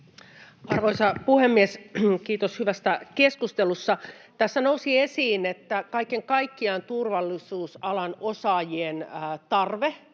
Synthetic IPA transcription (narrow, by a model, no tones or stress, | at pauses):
ɑrʋoisɑpuhemːieskiːt̪oshyʋæst̪ækeskust̪elusːɑt̪æsːænousiesiːnet̪ːækɑikːeŋkɑikːiɑnt̪urʋɑlːisuːsɑlɑnosɑːjienːt̪ɑrʋe